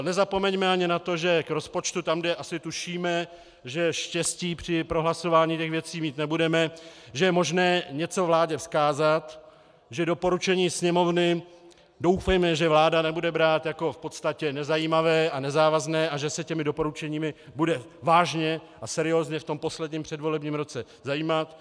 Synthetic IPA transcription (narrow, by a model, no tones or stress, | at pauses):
nɛzapo̞mɛɲmɛaɲɪnat̪o̞ʒɛkɾo̞spo̞t͡ʃt̪ut̪amɡdɛʔasɪt̪uʃiːmɛ | ʒɛʃcɛsciːpr̝̥ɪpɾoɦlaso̞vaːɲiːtɛxvjɛt͡siːmiːt̪nɛbudɛmɛʒɛjɛmo̞ʒnɛːɲɛt͡so̞vlaːɟɛfskaːzat̪ | ʒɛdo̞po̞ɾut͡ʃɛɲiːsɲɛmo̞vnɪ | do̞wfɛjmɛʒɛvlaːdanɛbudɛbɾaːt̪jako̞fpo̞t̪st̪acɛnɛzajiːmavɛːʔanɛzaːvaznɛːʔaʒɛsɛcɛmɪdopo̞ɾut͡ʃɛɲiːmɪbudɛ | vaːʒɲɛʔasɛɾɪo̞ːzɲɛft̪o̞mpo̞slɛdɲiːmpr̝̥ɛdvo̞lɛbɲiːmɾo̞t͡sɛ | zajiːmat̪